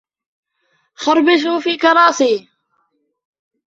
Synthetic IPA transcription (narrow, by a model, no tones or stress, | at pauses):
xʊɾˤbɪʃ̬uːfiːkɑɾˤɑːsiː